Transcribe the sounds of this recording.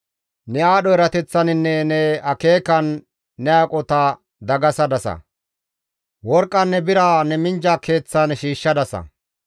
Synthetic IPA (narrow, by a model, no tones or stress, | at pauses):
nɛaːɗɔɛɾɐt̪ɛt͡sːɐnɪnːɛnɛɐke̞ːkɐnː | ɛaːkʼɔt̪ɐ | d̪ɐɡɐsɐd̪ɐsɐ̰ | wɔɾkʼːɐnːɛbɪɾaːnɛmɪnd͡ʒake̞ːt͡sːɐnʃiːʃːɐd̪ɐsɐ̰